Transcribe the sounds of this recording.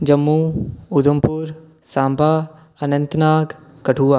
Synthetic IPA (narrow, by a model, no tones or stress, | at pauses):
d͡ʒɐmːuːʊd̪ʱəmpuːɾ | sãːmbʱaː | ɐnə̃nt̪naːk | kɐʈʰuːaː